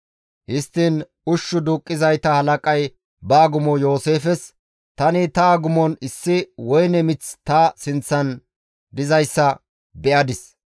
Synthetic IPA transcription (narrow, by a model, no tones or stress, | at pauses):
hɪst̪ːin | ʊʃːʊd̪uːkʼːɪzɐjt̪ɐhɐlɐkʼɐj | bɐːɡʊmɔjo̞ːse̞ːfɛs | t̪ɐnɪt̪ɐːɡʊmɔnɪsːɪwɔjnɛmɪt͡st̪ɐsɪnt͡sːɐn | d̪ɪzɐjsːɐ | bɛʔɐd̪ɪs